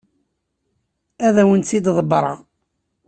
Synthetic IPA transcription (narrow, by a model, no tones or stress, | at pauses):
æðæwənt͡sːid̪ðˤəbɾˤɑ